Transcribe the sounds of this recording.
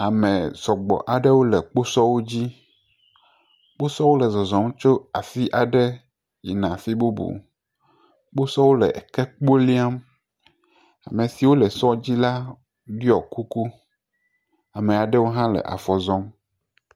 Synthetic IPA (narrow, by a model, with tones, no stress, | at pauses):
a˨mɛ̃˨z̥ɔ˨ɡ͡bɔ̰˨ʔa˨ɖɛ˦wo˦lɛ˨k͡po˦sɔ˦wo˦d͡ʑi˦ | k͡po˦sɔ˦wo˦lɛ˨zɔ˨zɔ̃˨m˦t͡ʃo˦a̰˨fi˦ʔa˨ɖɛ˦ | jḭ˨nã˨fi˦bo˦bṵ˨ | k͡po˦sɔ˦wo˦lɛ̰˨ʔkɛ˦k͡po˦li˦a˦m | a̰˨mẽ˨si˨wo˦lɛ˨sɔ˦d͡ʑi˦la˦ | ɖi˦ɔ˨ku˦ku˦ | a˨mẽ˨a˨ɖɛ˦wo˦ɦã˦lɛ̰˨ʔa̰˨fɔ˨zɔ˦m